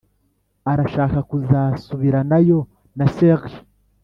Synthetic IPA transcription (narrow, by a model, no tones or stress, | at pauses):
aɾaʃaːkakuzaːsuβiɾanajo̞ | naseɣ